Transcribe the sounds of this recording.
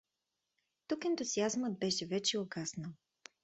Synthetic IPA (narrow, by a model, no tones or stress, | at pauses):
t̪ukɛnt̪ʊziazməd̪̚bɛʃɛvɛt͡ʃɛoɡasnə